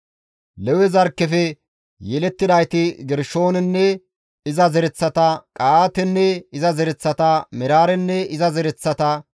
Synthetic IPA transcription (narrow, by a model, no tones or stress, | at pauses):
lɛwɛzɐɾkːɛfɛ | jɛlɛt̪ːɪd̪ɐjt̪ɪɡɛɾʃoːnɛnːɛ | ɪzɐzɛɾɛt͡sːɐt̪ɐkʼaːt̪ɛnːɛɪzɐzɛɾɛt͡sːɐt̪ɐmɛɾaːɾɛnːɛɪzɐzɛɾɛt͡sːɐt̪ɐ